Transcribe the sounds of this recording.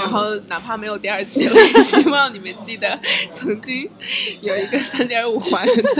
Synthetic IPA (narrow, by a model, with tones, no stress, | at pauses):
ɻa˧˥nxo˥˩ʊna˨˩pʰa˥˩me˧˥ɪjo˨˩ʊt̪i˥ə˞˥˧t͡ɕʰi˧˥˧e˥˩ɕi˥wɑ˥˩ŋni˨˩mə˦nt͡ɕi˥˩d̪ə˩t͡sʰɤ˧˥ŋt͡ɕi˥ŋjo˨˩ʊi˧˥ɡə˧sa˥nt̪jə˧˥u˨˩xwa˧˥n